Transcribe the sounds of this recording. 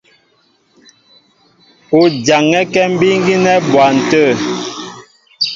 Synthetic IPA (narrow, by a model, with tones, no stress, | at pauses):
o˨d͡ʒa˨ŋɛ˦kɛ˦m̩˦bi˦ŋ˦ɡi˦nɛ˦bwa˨n̩˨tə˦˨